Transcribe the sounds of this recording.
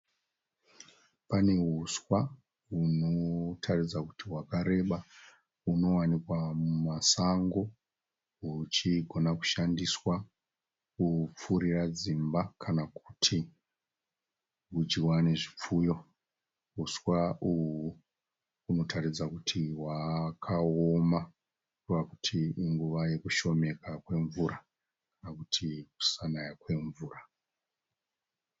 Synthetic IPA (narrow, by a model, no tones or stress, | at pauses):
pane̞ɦuswa | uno̞tʰarid͡zakutiɦwakaɾe̞ɓa | uno̞wanikwamumasaŋɡo̞ | ɦut͡ʃiɡʱo̞naku̥ʃandiswa | kup͡fuɾirad͡zimbakʰanaku̥tʰi | ɡud͡ʒiwane̞ʐip͡fujo̞ | uswau | uno̞tʰaɾid͡zakutʰiwakʰaoma | waku̥tʰiːŋɡuʋaje̞kuʃo̞me̞kakwe̞ɱvuɾa | kanakutʰiku̥sanajakwe̞ɱvuːra